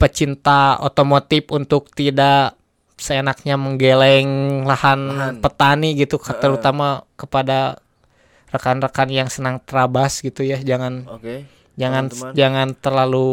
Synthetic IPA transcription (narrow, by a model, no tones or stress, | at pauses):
pət͡ʃint̪ao̰t̪omot̪ɪpunt̪ʊk̚t̪ida | səenak̚ɲaməŋɡelɛŋlahanpət̪aniɡit̪ukt̪əɾut̪amakəpada | rakanrakanjaŋsənaŋt̪ɾabasɡit̪ujad͡ʒaŋan | d͡ʒaŋand͡ʒaŋant̪ərlalu